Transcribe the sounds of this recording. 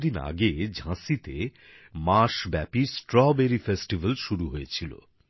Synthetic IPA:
d̪ina̰ɡed͡ʑʱãsit̪e | maʃbɛpisʈɾɔbeɾifesʈibalʃuɾuɦojet͡ɕʰilo̰

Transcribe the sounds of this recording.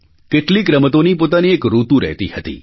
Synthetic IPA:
kɪʈlikɾəmət̪onipoːt̪aniekɾuːt̪ũɾɛ̰ɦt̪ihət̪ḭː

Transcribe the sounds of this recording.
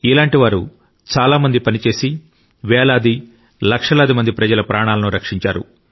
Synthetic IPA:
ilaːɳʈiʋaːɾu | t͡ʃaːlaːmɐnd̪ipɐnit͡ʃe̞ːsi | ʋɛːɭaːd̪i | lɐkʂɐlaːd̪imɐnd̪ipɾɐd͡ʒɐlɐpɾʔaːɳaːlɐnuɾɐkʂiɲt͡ʃaːɾṵ

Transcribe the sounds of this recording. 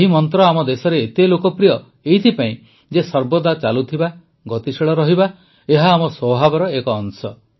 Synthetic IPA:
ɦimɔnt̪ɾɔamɔd̪esɔɾeːt̪elokɔpɾijɔ | eɦit̪ʰipaĩ | d͡ʒesɔɾbɔd̪at͡ʃalut̪ʰiba | ɡɔt̪isiɭɔɾɔɦiba | eɦaːmɔswɔbʱabɔɾɔekɔːŋsɔ

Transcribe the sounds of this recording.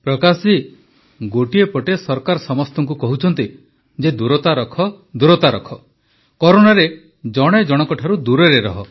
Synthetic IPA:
pɾɔkasi | ɡoʈiepɔʈesɔɾkaɾɔsɔmɔst̪ɔŋk̬ukɔɦut͡ʃʰɔnt̪i | d͡ʒed̪uɾɔt̪aɾɔkʰɔ | d̪uɾɔt̪aɾɔkʰɔ | kɔɾoɽ̃aɾe | d͡ʒɔɽ̃ed͡ʒɔɽ̃ɔkɔʈʰaɾud̪uɾeɾeɾɔɦɔ

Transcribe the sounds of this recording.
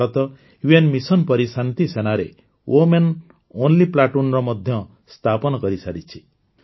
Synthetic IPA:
ɔt̪ɔ | juenmisɔnpɔɾisant̪isenaɾe | wʔomen | onliplaʈunɾɔmɔd̪ʱjɔ | st̪ʰapɔnɔkɔɾisaɾit͡ʃʰi̥

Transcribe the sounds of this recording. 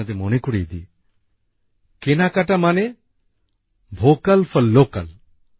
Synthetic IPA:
ad̪emonekoɽijd̪ḭ | kenakaʈamane | bʱokalfɔːoka̰l

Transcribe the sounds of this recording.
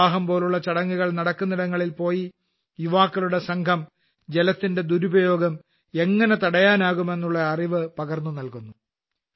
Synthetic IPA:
aːɦɐmpo̞ːluɭːɐt͡ɕɐɽɐŋːuɣɐɭnɐɽɐkːunːiɽɐŋːɐɭilpo̞ːji | juʋaːkːɐlɭuɽe̞sɐŋkʰɐm | d͡ʑe̞lɐt̪ːinde̞d̪uɾubɐjo̞ːɡɐm | e̞ŋːɐne̞t̪ɐɽɐjaːnaːɣume̞nːuɭːɐɐriʋɨpɐɣɐrnːunɐlkunːu

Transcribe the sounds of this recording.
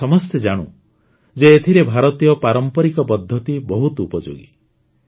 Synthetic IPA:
ɔmɔst̪ed͡ʒaɽ̃ṵ | d͡ʒeːt̪ʰiɾebʱaɾɔt̪ijɔpaɾɔmpɔɾikɔpɔd̪ʱjɔt̪ibɔɦut̪upɔd͡ʒo̰ɡḭ

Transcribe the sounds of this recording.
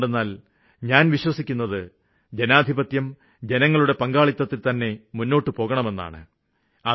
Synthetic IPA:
ɖenːaːl | ɲaːnʋiɕwɐsikʲːunːɐðɨ | d͡ʑenaːd̪ʱibɐt̪jɐm | d͡ʑenɐŋːɐɭuɽe̞pɐŋɡaːɭit̪ːɐt̪ːilt̪ɐnːe̞munːo̞ːʈːɨpo̞ːɣɐɳɐme̞nːa̰ːɳɨ̰ | ɐ

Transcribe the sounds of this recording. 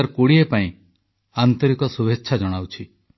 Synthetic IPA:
aɾkuɽiepaĩ | ant̪ɔɾikɔsubʱetːʃʰad͡ʒɔɽ̃awt͡ʃʰi

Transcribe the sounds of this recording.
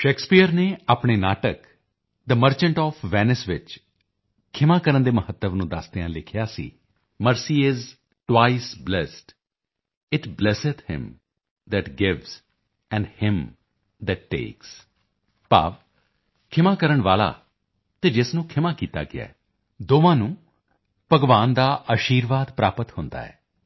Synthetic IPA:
ʃeːkspijəɾneːaːpɳeːnaːʈək | d̪əməɾt͡ʃə̃ɳʈɔːfʰʋɛːnɪsʋɪt͡ʃ | kʰɪmãːkəɾənd̪eːməhət̪ːəʋnũːd̪ast̪ɪjãːlɪkʰɪjaːsḭː | məɾsiːɪz | ʈwaːisblɛːsʈ | ɪʈblɛsɪt̪hɪ̰̃m | d̪ɛʈɡɪʋz | ɛ̃ɳɖhɪ̃m | d̪ɛʈːḛːks | pa̰ːʋ | kʰɪmãːkəɾəɳʋaːla̰ː | t̪eːd͡ʒɪsnũːkʰɪmãːkiːt̪a̰ːɡɪa̰ː | d̪oːʋãːnũː | pəɡʋaːnd̪aːʔəʃiːɾʋaːd̪pɾaːpət̪hʊ̃nd̪a̰ːɛ̰ː

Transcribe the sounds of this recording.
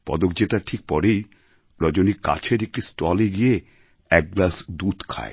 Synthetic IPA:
pɔ̰d̪ok̚d͡ʑet̪aʈʰik̚pɔɾej | ɾɔd͡ʑonika̰t͡ɕʰeɾek̚ʈisʈɔleɡije | ɛk̚ɡlasd̪ud̪kʰa̰ḛ

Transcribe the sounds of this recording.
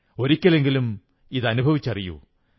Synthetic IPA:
o̞ɾikʲːɐle̞ŋɡilum | iðɐnubʱɐʋit͡ɕːɐrijṵ

